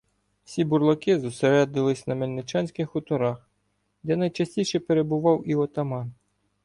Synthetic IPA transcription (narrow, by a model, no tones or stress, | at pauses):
wsʲibʊrlˠɔkɪzʊseɾɛd̪nɪlˠɪsʲnɐmelʲnɪt͡ʃɑnʲsʲkɪxʊt̪ɔɾax | d̪ɛnɐjt͡ʃɐsʲtʲijʃɛpeɾebʊʋɑwiɔt̪ɐmɑn